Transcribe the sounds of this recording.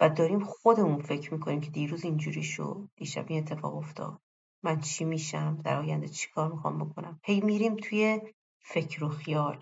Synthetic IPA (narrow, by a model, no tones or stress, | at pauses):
væd̪ɒːɾimxod̪e̞munfe̞cʰɾmiːkʰo̞niːmcʰe̞d̪iːɾuːzind͡ʒuːɾiʃo̰d̪d̪̥iʃæ̰bine̞t̪ʰːefɒ̰ːɣo̞ft̪ʰɒ̰ːd̪̥ | mænt͡ʃʰimiːʃæmd̪æ̰ɾɒːjænd̪et͡ʃʰi̥kʰɒːɾmixɒ̰mbo̞kʰo̞næmhe̞jmiɾimt̪ʰuje̞ | fe̞cʰɾoxijɒːl